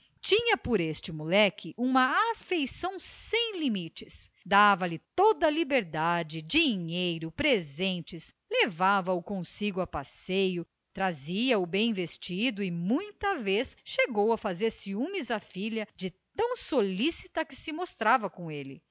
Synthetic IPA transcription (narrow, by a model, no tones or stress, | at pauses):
t͡ʃĩɲɐpoɾest͡ʃɪmulɛkʰɪʔũmɐafejsɐ̃w̃sẽj̃limit͡ʃɪs | d̪avɐlɪt̪od̪ɐlibeɾd̪ad͡ʒɪd͡ʒiɲejɾʊpɾezẽnt͡ʃɪs | levavɐʊkõsiɡʊɐpasejʊ | t̪ɾaziɐʊbẽj̃vest͡ʃid̪ʊɪmũj̃t̪ɐvesʃeɡowɐfazeɾsɪumizɐfiʎɐd͡ʒɪt̪ɐ̃w̃solisit̪ɐkɪsɪmost̪ɾavɐkõelɪ